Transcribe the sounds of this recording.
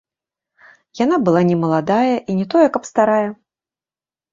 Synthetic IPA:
jan̪abɨlˠanʲɛmɐlˠad̪ajɐʔinʲɛt̪ɔjɛkɐpst̪aɾajɛ

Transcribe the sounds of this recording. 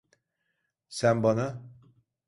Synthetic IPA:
sænbɑna

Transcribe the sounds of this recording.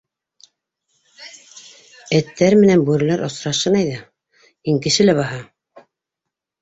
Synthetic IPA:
æt̪ːæɾmɘ̆nænbʉɾɘ̆læɾʔŏsɾɑʃɤnɑjðɑ | iŋkɘ̆ʃɘ̆læβɑɦɑ

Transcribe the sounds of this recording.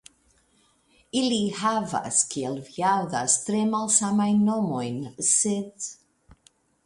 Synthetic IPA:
ilihava̰skʰiɛlˠvjaðastɾɛmalˠsamajnɔmɔjnsɪð

